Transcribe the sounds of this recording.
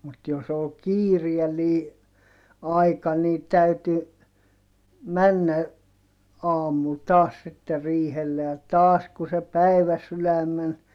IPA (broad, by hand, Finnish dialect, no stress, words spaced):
mut jos ol kiːriɛlːiː ɑikɑ niː tæyty mænːæ ɑːmul tɑːs sitːe riːhelːe jɑ tɑːs ku se pæiʋæsylæmˑen